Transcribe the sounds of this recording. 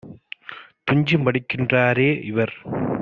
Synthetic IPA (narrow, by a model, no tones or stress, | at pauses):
t̪ʊɲd͡ʒɯmʋɐɽɪkːɪndraːɾeːʔɪʋɐɾ